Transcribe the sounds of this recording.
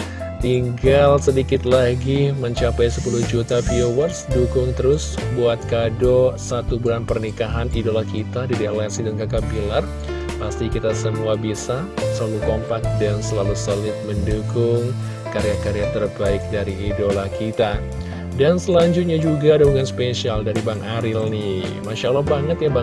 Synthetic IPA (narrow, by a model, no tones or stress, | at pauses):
t̪iŋɡalsədikɪt̪laɡiməɲt͡ʃapajsəpuluhd͡ʒut̪afiowərsdukʊŋt̪əɾʊsbuat̪̚kadɔsat̪ubulanpərnikaɦanidolakit̪adidelasidankakabilar | past̪ikit̪asəmuabisa | səlalukɔmpak̚dansəlalusəlɪt̪̚məndukʊŋ | kaɾejakaɾejat̪ərbaɪk̚daɾiːdolakit̪a | dansəlaɲd͡ʒʊt̪̚ɲad͡ʒuɡaːdabuŋanspeʃialdaɾibaŋʔaɾilnimaʃalahbaŋət̪jaba